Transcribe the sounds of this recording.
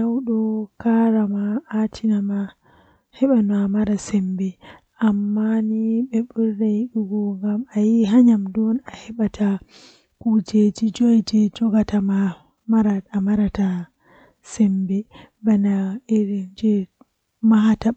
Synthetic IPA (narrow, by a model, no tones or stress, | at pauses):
nawɗɔkaɾamaːtʰinama | hɛɓanamaɾasɛmbɛ | ʔamːaniɓɛɓuɾːajiɗuɡɔŋɡamajiɦaɲamdɔnahɛɓatʰa | kud͡ʒed͡ʒid͡ʒojd͡ʒɛd͡ʒɔɡatama | maɾaamaɾata | sɛmbɛ | banaɛɾd͡ʒɛ | maɦata